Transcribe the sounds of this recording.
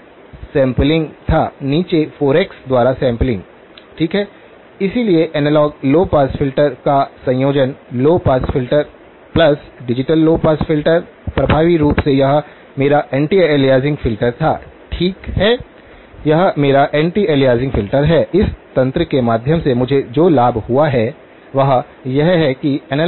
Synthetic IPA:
sɛ̃ːmplɪ̃ŋɡt̪ʰaːniːt͡ʃefoːɾeksd̪waːɾasɛ̃ːmplɪ̃ŋɡ | ʈʰiːkɦɛː | ɪsilieʔɛnɛlɔːɡ̚loːpaːsfʰɪlʈəɾkasɐ̃joːd͡ʒənloːpaːsfʰɪlʈəɾ | plɐsɖɪd͡ʒɪʈəlːoːpaːsfʰɪlʈəɾ | pɾɐbʱaːʋiɾuːpsejɐɦ | meːɾaʔɛ̃ːɳʈieːlijaːzɪ̃ŋɡfɪlʈəɾt̪ʰa̰ːʈʰiːkhɛː | jɐɦmeːɾaʔɛ̃ːɳʈieːlijaːzɪ̃ŋɡfʰɪlʈəɾɦɛɪst̪ɐ̃nt̪ɾəkemaːd̪ʱjəmsemʊd͡ʒʱed͡ʒoːlaːbʱhuaɦɛ | ʋɐɦ | jɐɦɦɛkiɛn

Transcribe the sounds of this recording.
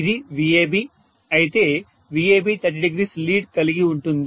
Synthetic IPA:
id̪iʋieːbi | ɐjit̪e̞ː | ʋieːbiːt̪ɐʈ̬ːiɖiɡɾiːsliːɖkɐliɡiuɳʈund̪

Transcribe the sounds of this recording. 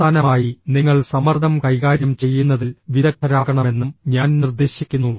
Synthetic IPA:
aːnɐmaːjiniŋːɐɭsɐmɐrd̪ʱɐmkɐjɣaːɾjɐmt͡ɕe̞jːunːɐðilʋiðɐkːɐɾaːɣɐɳɐme̞nːumɲaːnnird̪eːɕikʲːunːu

